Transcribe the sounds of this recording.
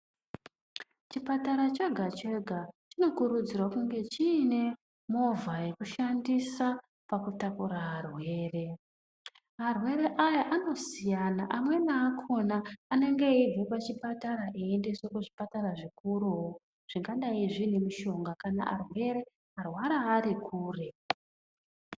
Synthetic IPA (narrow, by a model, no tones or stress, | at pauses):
t͡ʃipataɾat͡ʃeɡʱat͡ʃe̞ɡʱat͡ʃino̞kuɾud͡zirwakuŋɡe̞t͡ʃiːne̞ | mo̞vaje̞kuʃandisa | pakutapuɾaɦarwe̞ːre̞ | ɦarwe̞ɾe̞ʔajaʔano̞sijanaʔamwe̞naːkʰo̞naːne̞ŋɡeib͡vepat͡ʃipataɾaʔeende̞swe̞kuʐipataɾaʐikuɾuɦo | ʐ̥iŋɡaɗaiʐine̞miʃo̞ŋɡakana̰ʔa̰rwe̞ɾe̞ | arwaɾaːɾikʰuːre